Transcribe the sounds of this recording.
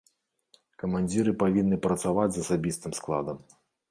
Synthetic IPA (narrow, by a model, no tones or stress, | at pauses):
kɐmanʲd͡zʲiɾɨpavʲinːɨpɾɐt̪savad͡zʲzɐsabʲist̪ɨmsklˠa̰d̪ɐm